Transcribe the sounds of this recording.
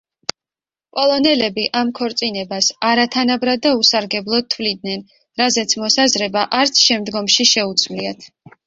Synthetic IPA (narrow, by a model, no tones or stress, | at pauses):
kʼɔlˠɔnɛlɛbiʔamkʰɔɾt̪sʼinɛbasaɾat̪ʰanabɾad̪ːausaɾɡɛblˠɔd̪̚t̪ʰvlid̪̚nɛn | ɾazɛt̪sʰmɔsazɾɛbaʔaɾt̪sʰʃɛmd̪ɡɔmʃiʃɛut̪sʰmliat̪ʰ